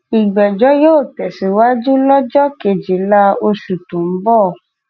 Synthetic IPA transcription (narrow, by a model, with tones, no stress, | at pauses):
i˨ɡ͡bɛ˨d͡ʒɔ˨˦joː˦˨tɛ˨si˨˦wa˦d͡ʒu˦lɔ˦d͡ʒɔ˦ke˨d͡ʒi˨la˧˦o˧ʃu˨tũ˨m̩˦bɔ˦˨